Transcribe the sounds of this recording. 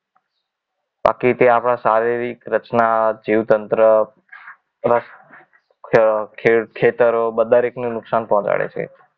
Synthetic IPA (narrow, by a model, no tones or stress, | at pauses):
ba̰kit̪eapɽ̃asaɾiɾikɾət͡ʃnad͡ʒiʋt̪ənt̪ɾə | ɾəs | kʰkʰːet̪əɾobəd̪ʱaɾeknũnʊksanpɔ̃ɦɔ̃t͡ʃa̰ɭḛt͡ʃʰḛ